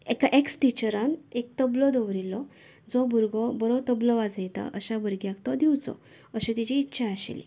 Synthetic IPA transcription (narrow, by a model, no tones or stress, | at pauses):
ekaʔeksʈit͡ɕəɾanek̚t̪əblɔd̪əʋɾilɔ | d͡zɔbʱuɾɡɔbɔɾɔt̪əblɔʋad͡zajt̪a̰ʔəɕabəɾɡjãkt̪ɔd̪iwt͡sɔ̰ | əɕet̪it͡ɕiːtːɕʰaaɕḛlḭ